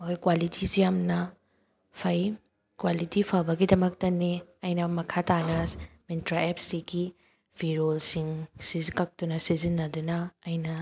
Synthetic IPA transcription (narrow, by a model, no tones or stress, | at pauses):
mɐkʰojkwalitʰisijamnɐ | pʰɐj | kwalitipʰabɐɡidɐmɐk̚tɐniɐjnɐmɐkʰatanɐsmintɾaep̚siɡi | bʱiɾolsiŋsizikɐk̚tunɐsizinːɐdunɐːjnɐ